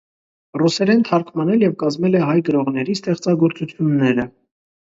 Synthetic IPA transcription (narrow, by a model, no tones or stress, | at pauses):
rusɛɾɛnt̪ʰɑɾkʰmɑnɛljɛvkɑzmɛlɛɦɑjɡəɾɔʁnɛɾist̪ɛχt͡sɑɡɔɾt͡sut͡sʰjunːɛɾə